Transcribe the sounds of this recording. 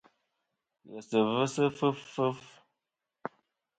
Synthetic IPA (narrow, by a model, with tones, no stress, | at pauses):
jə˨sə˨və˦sə˦fə˦ffə˦f